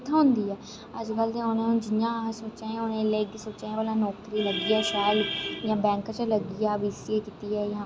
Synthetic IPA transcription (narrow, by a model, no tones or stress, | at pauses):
t̪ʰãːɦʊ̃nd̪iːɦɛː | əd͡ʒkəld̪eʊnẽʊnd͡ʒɪjãːsoːt͡ʃẽːʊnẽleːɡsoːt͡ʃẽəlãːnɔːkɾiːləɡiaːʃaːljãːbɛ̃ːŋkət͡ʃələɡijaːʋiːsiekiːt̪iɦɛːjãː